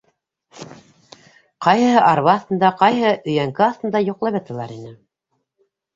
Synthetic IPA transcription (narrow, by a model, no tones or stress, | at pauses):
qɑjhɤ̆ɦɤʔɑɾβɑːθt̪ɤ̆nd̪ɑqɑjɦɤʔɵ̆jæŋkɘɑθt̪ɤ̆nd̪ɑjŏqlˠɑβɤ̆t̪ɤ̆lˠɑ̰ɾinɘ